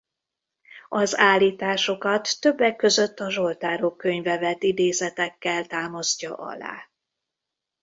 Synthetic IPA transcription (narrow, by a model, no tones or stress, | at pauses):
ɒzaːlːiːt̪aːʃo̞kɒt̪ːø̞bːɛkːø̞zø̞t̪ːɒʒo̞lt̪aːɾo̞kːø̞ɲvɛvɛt̪id̪eːzɛt̪ɛkːɛlt̪aːmɒzcɒ̰ʔɒ̰la̰ː